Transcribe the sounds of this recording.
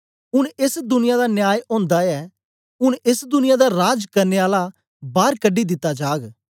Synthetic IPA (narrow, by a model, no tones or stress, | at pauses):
ʊɽ̃ɪsd̪ʊnɪjad̪anjaːjõːnd̪aɛ | ʊnɪsd̪ʊnɪjad̪aɾaːd͡ʒkɐɾneaːla | baːɾkɐɖːid̪ɪt̪ːad͡ʒaːɡ